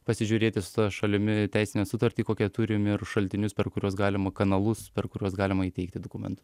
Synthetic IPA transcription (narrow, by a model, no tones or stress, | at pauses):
pɐsʲɪʒʲuːɾʲeːt̪ʲɪsʊ̥t̪ɐʃɐlʲɪmʲɪt̪ʲæɪsʲɪnʲɛsʊt̪ɐɾʲt̪ʲiːkoːkʲɛt̪ʊɾʲɪmɪɾʃɐlʲt̪ʲɪnʲʊspʲɛɾkʊɾʲuɔsɡɑːlʲɪmɐkɐnɐlˠʊspʲɛɾkʊɾʲuɔsɡɑːlʲɪmɐiːtʲɛɪkt̪ʲɪd̪oːkʊmʲɛ̰nt̪ʊ̥